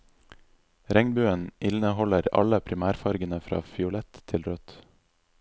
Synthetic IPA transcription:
ɾɛŋbʉːənʔɪlnəhɔləɾɑ̰ləpʰɾɪmæːɾfɑɾɡənəfɾɑ̰ːfɪʊlɛt̪ʰːɪlɾœt̪

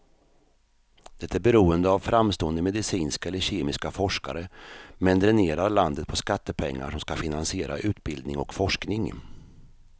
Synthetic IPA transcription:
d̪̥ɛt̪ʰːæːɾbɛɾuːənd̪əavfɾamst̪oːənd̪əmɛd̪ɪsiːnskaɛlːəɕeːmɪskafɔʂka̰ɾəmɛnd̪ɾɛneːɾaɾɭand̪ət̪̚pʰɔskat̪ːəpʰɛŋːa̰ʂɔmskafɪnansɪeːɾa̰ʔʉ̟ːt̪bɪld̪nɪŋɔ̰kfɔʂknɪŋ

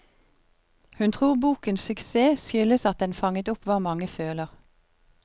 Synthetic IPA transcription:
hʉnt̪ʰʁuːʁbuːkənsʏkseːsʏləsɑt̪̚d̪ɛnfɑŋət̪ʊpʋɑːmɑŋəføːləʁ

